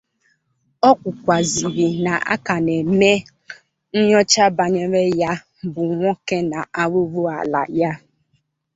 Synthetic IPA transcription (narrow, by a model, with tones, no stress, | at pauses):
ɔ˦kʷʊ˨kʷa˨zi˨ɾi˨na˨ʔa̰˦ka˨ne˨me˦ | n̩˦ɲɔ˦t͡ʃa˦ba˨ɲe˦ɾe˦ja˦ | bʊ˨ŋʷɔ˦ke˦na˨ʔa˦ɾu˦ɾu˦a̰˨la̰˨ja˦